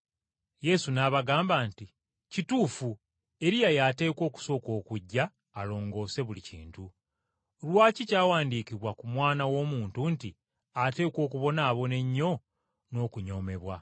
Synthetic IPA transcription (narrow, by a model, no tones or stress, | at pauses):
je̞sunaβaɡaːmbaːnti | cituːfu | e̞ɾijajate̞ːko̞ːku̥so̞ːko̞ːkuɟːaː | lo̞ːŋɡo̞ːse̞βulicḭːntu | lwaːcicaːwaːndiːkiβwakumwaːnawo̞ːmuːntunti | ate̞ːko̞ːkuβo̞naːβo̞ne̞ɲːo̞ | no̞ːkuɲo̞ːme̞βwa